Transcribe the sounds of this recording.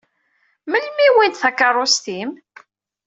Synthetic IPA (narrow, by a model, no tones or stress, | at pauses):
məlmiwint̪θækːərˤːost̪im